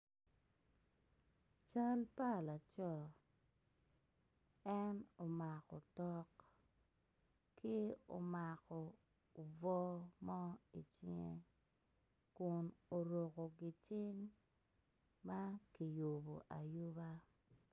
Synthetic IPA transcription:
t͡ʃa˦lpa˦˨la˨t͡ʃɔ˦ | ɛ˦no˨ma˨kɔ˨tɔ˦k | kʰɪ˦o̰˨ma˨kɔ˨ | o˨vɔ˦mɔ˦i˨t͡ʃɪ˦ŋe˦ | kʊ˨no˨ɾo˨ko˨ɡɪ˨t͡ʃɪ˦ŋ | ma˦ki˨jo˨bo̰˨ʔa˨jʊ˦ba˦

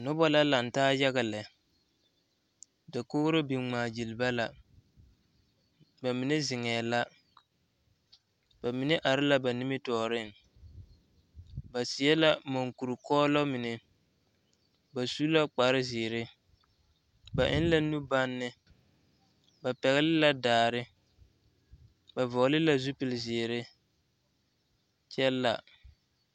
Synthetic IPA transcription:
nʊ˦bɔ˦la˦la˨n̩˨taː˦ja˦ɣa˨lɛ˨ | da˨kʊ˦ɾɪ˦bi˨ŋ͡maː˨d͡ʒi˨lba˦la˨ | ba˨mɪ˨nɪ˦zɪ˨ŋɛː˨la˦ | ba˨mɪ˨nɪ˦ʔa˨ɾɪ˦la˦ba˨nɪ˦mɪ˦tɔː˨ɾɪ˦ŋ | ba˨sɪ˨ɛ˦la˦mo˨ŋku˨ɾu˨kɔː˦lɔ˦mɪ˨nɪ˦ | ba˨su˦la˦k͡pa˨ɾɪ˦zɪ˨ɾɪ˦ | ba˨ʔɪ˦n˦la˦nu˦ba˦nːɪ˦ | ba˨pɛ˨ɣɛ˦lɪ˦la˦daː˨ɾɪ˦ | ba˨vɔ˨ɣlɪ˦la˦zu˦pɪ˨lɪ˨zɪː˨ɾɪ˦ | t͡ʃɛ˦lːa̰˨

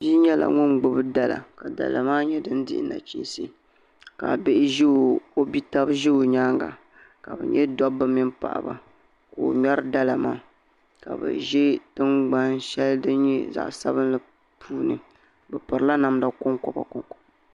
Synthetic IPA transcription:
bi˦ɲɛ˦la̰˨ŋʊ˦nɡ͡bʊ˨bɨ˦da˦la̰˨ka˨da̰˨la̰˨maː˦ɲɛ˦dɨ˦ndɪ̰˦ʔɪ˨˦na̰˨t͡ʃḭ˦n˦si˦ | ka˨be˦ʔɪ˦ʒe˦o˨o˦bi˦ta˦bʒe˦o˨ɲaː˦ŋɡa̰˨ | ka˨bɛ˨ɲɛ˦dɔ˦bɨ˦mi˦npa̰˨ʔba̰˨ | ko˨ɲɔ˦ɾɨ˦da˦la˨maː˦ | ka˨bɛ̰˨ʒɛ˦tɨ˦nɡ͡ba˦nʃɛ˦ldɨ˦nɲɛ̰˦za̰˨ʔsa̰˦βɨ˦n˦lɨ˦ | pʰuː˦nɨ˨ | bɛ˨pɨ˨ɾla˦na˨mda˦kʊ˦ŋkɔ˦ba̰˨kʊ˦ŋkɔ̥˦

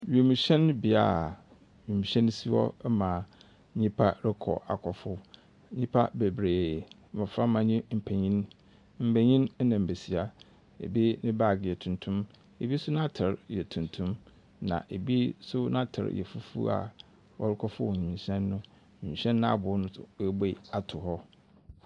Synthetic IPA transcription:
ɥe˨mĩ˨ɕɛ̃˦n˦bɪ˨a˨ | ɥe˨mĩ˨ɕɛ̃˦n˦si˦wɔ̰˦mã˨˦ | ɲĩ˦pʰa˦ɾɪ˦kʰɔ̰˨ʔa̰˨kʰɔ˨fʊ˦ | ɲĩ˦pʰa˦be˨bɾeː˨˦ | mã˨fɾa˦mã˨ɲĩ˦m̩˨pʰɛ˨ɲĩ˦n | m̩˨pɛ˨ɲĩ˦n˦nã˨m̩˨be˨si˨a˨ | ḛ˨bi˦nɪ̃˦ba˦˨ɡjɛ˨tʰũ˨ntʰʊ̃˦m | e˨bi˦sʊ˦nã˦tʰɪ˨ɾjɛ˨tʰũ˨ntʰũ˦m | nã̰˨ʔe˨bi˦sʊ˦nã˦tʰɪ̰˨ɾjɛ̰˨fu˦fṵ˦a̰˨ | wɔ˦ɾɪ˦kʰɔ˦fʊ˦wɲĩ˨mĩ˨ɕɛ̃˦nːʊ̃˦ | mĩ˨mĩ˨ɕɛ̃˦nː˦ã˦a˦˨bʊ˨˦nʊ̃˦˨˦be˦˨a˨tʰʊ˨hɔ˦

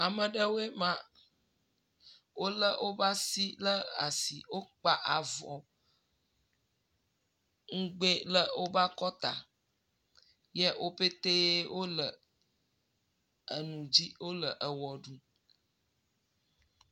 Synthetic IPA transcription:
a˨mə̃˨ɖə˦wo˦e˦mã˦ | wo˦lə˦wo˦ba˦si˦lə˦a̰˨si˨wo˦k͡pa˦ʔa˨vɔ˨ | ŋ̩˦ɡ͡be˦lə˦wo˦ba˦kɔ˦t̪a̰˨ | jɛ˦wo˦pe˦t̪e˦jɛ˦wʔo˦lə˨ | ə˨nũ˨d͡ʑi˦wo˦lə˨ʔə˨wɔ˨ɖu˦

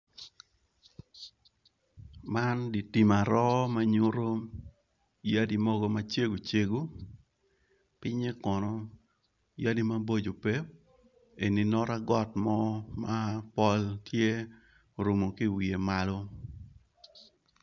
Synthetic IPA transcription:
ma˦ndi˨ti˨ma˨ɾɔ˦ma˦ɲo˦ɾo˦ | ja˦di˦mɔ˦ɡɔ˦ma˦t͡ʃe˦ɡo˨t͡ʃe˦ɡu˦ | pɪ˦ɲe˦kɔ˨nɔ˦ | ja˦di˦ma˦bo˦d͡ʒo˨pe˦p̚ | e˨ni˨nɔ˦ɾa˦ɡɔ˦tmɔ˦ma˦pɔ˦ltʰje˦ | ɾo˨mo˨ki˦wi˨e˨ma˦lɔ˦

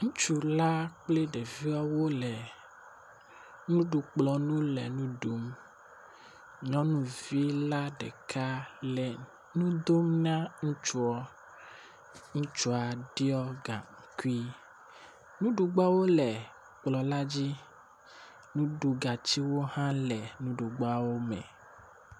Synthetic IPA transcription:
ŋũ˦t͡ʃu˦la˦k͡ple˦ɖe˨vi˦ɔ˦wo˦lɛ˨ | nũ˦ɖu˨k͡plɔ˨nũ˦lɛ˨nũ˦ɖu˨m | ɲɔ̃˦nũ˦vi˦la˦ɖɛ̰˨kʰa˦lɛ˨ | nũ˦d̪o˦mnã˦ŋũ˦t͡ʃu˦ɔ˨˦ | ŋũ˦t͡ʃu˦a˨ɖi˦ɔ˦ɡa˨ŋ̩˨ku˦i˦ | nũ˦ɖu˨ɡ͡ba˦wo˦lɛ˨ | k͡plɔ˨la˦d͡ʑi˦ | nũ˦ɖu˨ɡa˨t͡ɕi˦wo˦hã˦lɛ˨nũ˦ɖu˨ɡ͡ba˦wo˦mɛ̰̃˨

